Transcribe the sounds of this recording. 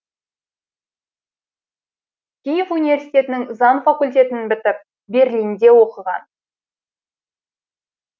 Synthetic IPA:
kʲejefunivʲe̞rsijt̪e̞t̪ɪnɪŋzɑnfakulʲt̪̬ʲe̞t̪ɪnbɪt̪ɪp̚ | be̞ɾlʲijnd̪e̞wo̞qəʁɑ̰n

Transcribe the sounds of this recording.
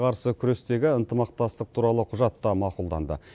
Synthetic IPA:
qʰɑɾsəkʲʰʏɾe̞st̪e̞ɡʲɪənt̪əmɑq̚t̪ɑst̪əq̚t̪ʰuɾɑlˠəqʰʊʒɑt̪ːɑmɑqulˠd̪ɑ̰nd̪ə̰

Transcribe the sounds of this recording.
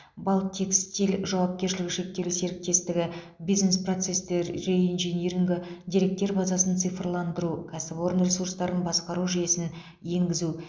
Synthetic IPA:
bɑlˠt̪ʰːe̞kst̪ijlʒɑwɑp̚kʲe̞ɾʃɪlɪɡʲɪʃe̞k̚t̪e̞lɪse̞ɾɪk̚t̪e̞st̪ɪɡʲɪ | bijznespro̞t̪se̞st̪e̞ɾʒeinʒeneɾiŋɡʲɪd̪ʲiɾe̞k̚t̪e̞ɾbɑzɑsənt̪sɨjfrlˠɑnd̪əɾukʲʰæsɪbo̞ɾənrʲe̞suɾst̪ɑɾənbɑsqɑɾuʒije̞sɪn | je̞ŋɡʲɪzu

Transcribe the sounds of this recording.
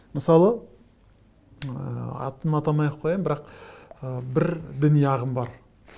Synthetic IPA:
məsɑlˠə | ɑ̰t̪ːənɑt̪ɑmɑjqʰːojɑjmbɪɾɑqəbɪɾd̪ɪnijɑʁəmbɑɾ

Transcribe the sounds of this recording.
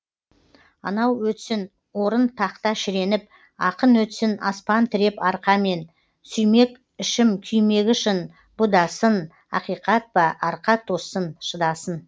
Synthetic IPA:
ɑ̰nɑwwɵt̪sɪn | wo̞ɾənt̪ʰɑqt̪ɑʃɪɾe̞nɪp̚ | ɑqənwɵt̪sɪnɑ̰spɑnt̪ʰɪɾe̞pɑɾqɑme̞n | sʏjme̞k | ɪʃɪmkʲʰʏjme̞ɡʲɪʃɪn | b̥ʊd̪ɑsən | ɑ̰qijqɑt̪̚bɑʔɑɾqɑt̪ʰːosənʃəd̪ɑsən

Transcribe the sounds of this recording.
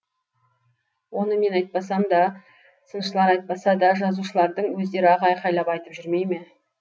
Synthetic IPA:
wo̞nəme̞nɑjt̪̚pɑs̬ɑmd̪ɑ | sənʃəlˠɑɾɑjt̪̚pɑsɑd̪ɑʒɑzuʃəlˠɑɾd̪əɴwɵzd̪e̞ɾɪɑʁɑjqʰɑjlˠɑpɑjt̪əpʒʏɾme̞jme̞

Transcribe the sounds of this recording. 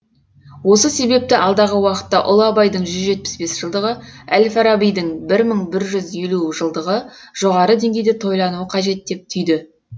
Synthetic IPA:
wo̞səse̞be̞p̚t̪ɪʔɑlˠd̪ɑʁəwɑqə̥t̪ːɑʔʊ̰lˠɑbɑjd̪əɴʒʏzʒe̞t̪̚pɪ̥sbe̞sʒ̥əlˠd̪əʁəælfɑɾabijd̪əɴbɪɾməɴbɪɾʒʏzjeluʒəlˠd̪əʁəʒ̥o̞ʁɑɾəd̪e̞ŋɡʲejd̪et̪ʰo̞jlˠɑnuəqʰɑʒe̞t̪̚d̪e̞p̚t̪ʰʏjd̪ɪ

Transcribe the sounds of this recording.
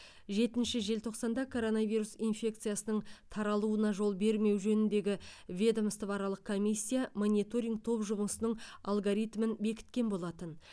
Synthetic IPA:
ʒe̞t̪ɪnʃɪʒe̞lt̪ʰo̞qsɑnd̪ɑkʰo̞ɾo̞navʲijɾusinfʲe̞k̚t̪sɨjasənəɴt̪ʰɑɾɑlˠuənɑʒo̞lˠbe̞ɾme̞wʒɵnɪnd̪e̞ɡʲɪvʲed̪amst̪əvɑɾɑlˠəq̚kʰo̞mijsʲːijamonʲit̪o̞ɾʲijŋɡ̚t̪ʰo̞pʒʊbənsənəɴa̰lˠɡoɾijt̪mənbe̞kʲɪ̥t̪̚kʲe̞nbo̞lˠɑt̪ən

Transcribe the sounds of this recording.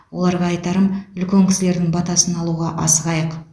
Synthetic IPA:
wo̞lˠɑɾʁɑɑjt̪ɑɾəmʏlkʲeŋkʲɪ̥sɪle̞ɾd̪ɪŋbɑt̪ɑsənɑlˠuʁɑʔɑ̰səʁɑjəq

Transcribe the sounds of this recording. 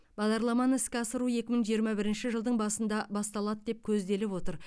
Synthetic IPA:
b̥ɑʁd̪ɑɾlˠɑmɑnəɪskʲɪɑsəɾuje̞kʲɪməŋʒijəɾmɑbɪɾɪnʃɪʒəlˠd̪əɴbɑsənd̪ɑbɑst̪ɑlˠɑd̪əd̪e̞p̚kʲʰɵzd̪e̞lɪpwo̞t̪əɾ

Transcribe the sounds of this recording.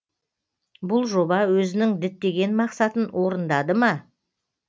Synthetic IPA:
bʊlˠʒo̞bɑwɵzɪnɪŋd̪ɪt̪ːe̞ɡʲe̞nmɑqsɑt̪ənwo̞ɾənd̪ɑd̪əmɑ

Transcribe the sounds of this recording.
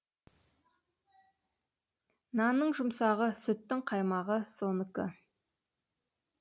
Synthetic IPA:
nɑnəɴʒʊmsɑʁəsʏt̪ːɪŋqʰɑjmɑʁəsonəkɪ

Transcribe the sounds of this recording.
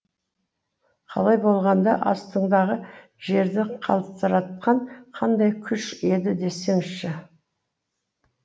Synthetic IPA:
qʰɑ̰lˠɑjbo̞lˠʁɑnd̪ɑʔɑ̰st̪əɴd̪ɑʁə | ʒ̥e̞ɾd̪ɪqʰɑ̰lˠəp̚t̪əɾɑt̪̚qɑɴqʰɑnd̪ɑjkʲʰʏʃe̞d̪ɪd̪e̞se̞ŋɪzʃɪ

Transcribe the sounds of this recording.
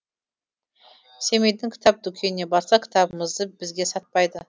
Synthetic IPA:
se̞me̞jd̪ɪŋkʲʰɪ̥t̪ʰɑp̚d̪ʏkʲʰe̞nne̞bɑɾsɑkʲʰɪ̥t̪ʰɑbəməzd̪əbɪzɡʲe̞sɑt̪̚pɑjd̪ə

